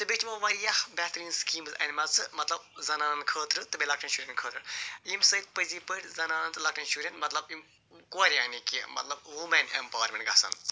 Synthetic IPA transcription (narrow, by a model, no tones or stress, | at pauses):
t̪ɨbʲet͡ʃmɐʋɐɾijɐhbɛːt̪ɾiːnskiːmzɐ̰nʲmɐt͡sɨmɐt̪lɐb̚zɐnaːnkʰəːt̪ɾɨt̪ɨbʲelɐkʈʰɐnʃuːɾʲenkʰəːt̪ɾɨjimsɐt̪̚ʲpəzipəʈʲzɐnaːnnt̪ɨlɐk̚ʈʰɐnʃuɾʲent̪mɐt̪lɐbim | kuɐɾijaːnʲikimɐ̰t̪lɐb̚ʋumɐnempaːʋɐɾmẽɳʈɡɐ̰sɐ̰n